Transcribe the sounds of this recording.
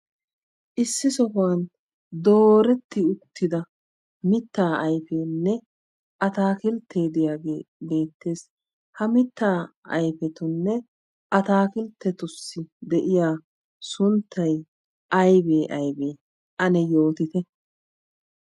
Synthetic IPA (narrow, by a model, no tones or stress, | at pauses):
ʔɪsːɪsɔfʊwɐn | d̪o̞ːɾɛt̪ːɪʊt̪ʰːɪd̪ɐ | mɪt̪ːaːɐjfeːnːɛ | ʔɐt̪aːkɪlt̪ʰːe̞ːd̪ɪjaːɡḛːbe̞ːt̪ːe̞ːs | hɐmɪt̪ːaːɐ̰jfɛt̪ʊnːɛ | ʔɐt̪aːkɪlt̪ːɛt̪ʊsːɪd̪ɛʔɪjaː | sʊnt̪ʰːɐj | ʔɐjbeːʔɐjbe̞ː | ʔɐnɛjo̞ːt̪ɪt̪ɛ